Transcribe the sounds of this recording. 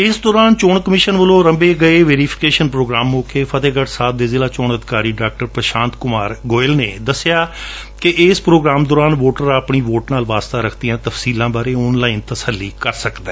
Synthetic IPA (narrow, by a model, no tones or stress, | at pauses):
ɪsd̪ɔːɾaːnt͡ʃoːɳkəmɪʃənʋəlõːɾəmbeːɡəeːʋeːɾiːpʰɪ̥keːʃənpɾoːɡɾaːmːoːkʰeːpʰət̪eːɡəʈsaːb̚d̪eːzɪlaːt͡ʃoːɳəd̪ɪkaːɾiːɖaːk̚ʈəɾpɾəʃãːnt̪kʊmaːɾɡoːɪlneːd̪əsːɪjaː | kɪʔɪːspɾoːɡɾaːmd̪ɔːɾaːnʋoːʈəɾaːpɳiːʋoːʈnaːlʋaːst̪aːɾəkʰt̪ijãːt̪əfsiːlãːbaːɾeːʊnlaːint̪əsəlːiːkəɾsəkd̪eː